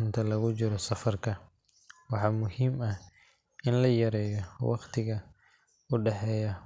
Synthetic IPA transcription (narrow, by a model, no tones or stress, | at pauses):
nt̪ʰɐlɐɣʊt͡ʃɪɾɔsɐfɐrkʰɐ | wɑħɑːmʊhiːmɐh | ʔɪnlɐjɐɾɛːjɔwɑ̰qt̪ʰɪɣɐ | ʊɖɛħɛːjɐ